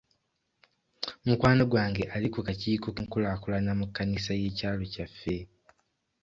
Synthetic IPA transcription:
mukwaːnoɡwaːŋɡe̞ʔalikukaciːkokŋkulakulanamukːanisaje̞ːcaːlo̞cafːe̞

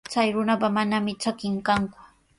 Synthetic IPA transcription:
t͡sajɾʊnapamanamɪt͡ʃakɪŋkaŋkʊ̥

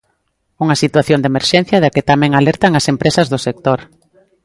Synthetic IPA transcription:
uŋɐsit̪waθjond̪emeɾʃɛn̟θjɐðakɪt̪amɛ̃ŋalɛɾt̪aŋasempɾesɐzðʊsek̚t̪oɾ

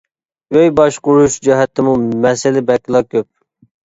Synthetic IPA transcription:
jøjbɑʃqʊɾuʃd͡ʒɛɦɛt̪ʰɪmumɛsɪlɪbɛkʲːlˠɑkʲʰøp̚

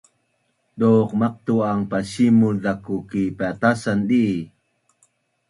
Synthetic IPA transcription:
doqmaq̚t̪uaŋpaɕimudakukipat̪asanɗi

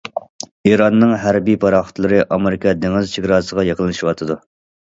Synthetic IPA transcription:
iɾɑnːɨŋɦæɾbijpʰɑɾɑχə̥t̪lˠɨɾɨʔɑmeɾɪkʰɑd̪eŋɪzt͡ʃʰeɡʲɾɑːsəʁɑjeqəlˠɨʃiwɑt̪ʰɨd̪u

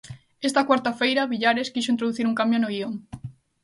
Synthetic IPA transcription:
est̪akwaɾt̪afejɾɐβiʎaɾeskiʃoint̪ɾoðuθiɾuŋkambjonoioŋ

